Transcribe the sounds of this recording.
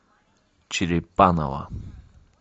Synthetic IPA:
t͡ʃiɾipana̰wa̰

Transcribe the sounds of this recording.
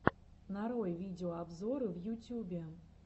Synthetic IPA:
naɾɔjvʲidʲɛɔabzɔɾɨvjutʲjubʲɛ

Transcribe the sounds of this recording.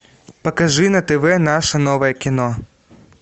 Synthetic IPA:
pɐkɐʐɨnɐt̪ɛʋɛnaʂɐnɔʋɐjɛkʲɪnɔ

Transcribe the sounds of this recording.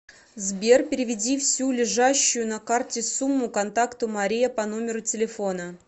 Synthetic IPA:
zbʲerpʲɪɾʲɪvʲɪdʲifsʲulʲɪʐaɕːʊjʊnɐkartʲɪsumːʊkɐnt̪akt̪ʊmɐɾʲijəpɐno̞mʲɪɾʊtʲɪlʲɪfo̞nə

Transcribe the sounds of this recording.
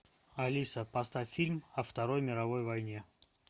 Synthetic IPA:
ɐlʲisəpɐst̪afʲilʲmɐft̪ɐɾo̞jmʲɪɾɐvo̞jvɐjnʲe̞

